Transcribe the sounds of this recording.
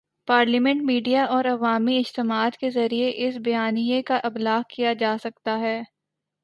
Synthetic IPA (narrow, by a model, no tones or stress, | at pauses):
paːɾlimɛ̃ɳʈ̚miːɖijaʔɔːɾɐʋaːmiɪd͡ʒt̪ɪmaːd̪kezɐɾieʔɪsbɐjaːnijekaʔɐblaːɦkijad͡ʒaːsɐkt̪aɦɛː